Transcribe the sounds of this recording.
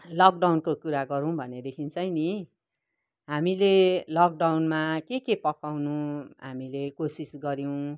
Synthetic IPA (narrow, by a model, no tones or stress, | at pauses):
lʌk̚ɖawnkokuɾaɡʌɾũw̃bʱʌned̪ekʰint͡sʌjni | ɦamilelʌk̚ɖawnmakekepʌkawnuɦamilekosisɡʌɾjow̃